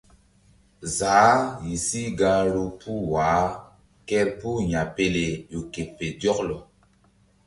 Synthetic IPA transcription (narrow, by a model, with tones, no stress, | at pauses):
zaː˨˦ji˨si˦ɡa˧˦ɾu˦pu˦waː˨˦ | kɛ˦ɾpu˦ɲa˨pe˦le˨jo˨ke˨pe˨djɔ˦klɔ˨